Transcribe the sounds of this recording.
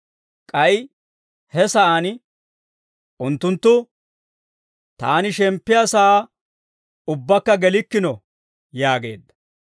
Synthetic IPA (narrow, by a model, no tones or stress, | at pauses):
kʼɐj | hɛsɐʔaːn | ʔʊnt̪ːʊnt̪ːʊ | t̪a̰ːnɪʃɛmpːɪjasɐa | ʊbːɐkːɐɡɛlɪkːɪnɔ | jaːɡe̞ːd̪ːɐ̥